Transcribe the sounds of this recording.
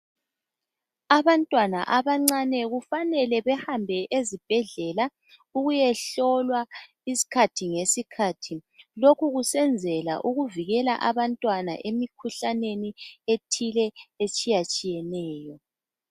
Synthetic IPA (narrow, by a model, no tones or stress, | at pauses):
aβantʼwana̰ʔaβaŋ͡ǀanɛɣufanɛlɛβɛhambʱɛʔezib̥ʱɛɮɛla | uɣujɛɬɔlwa | isi̥kʰatʰiŋesikʰaːtʰilokuɣusɛnd͡zʱɛla̰ʔuɣuviɣɛla̰ʔaβantʼwana̰ʔemikʰuɬanenietʰilɛet͡ʃʼijat͡ʃʼijɛnɛːjɔ